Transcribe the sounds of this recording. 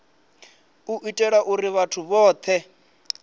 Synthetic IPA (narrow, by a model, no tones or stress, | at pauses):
uʔitʼɛɺaʔuɾiβatʰuβɔːt̪ʰɛ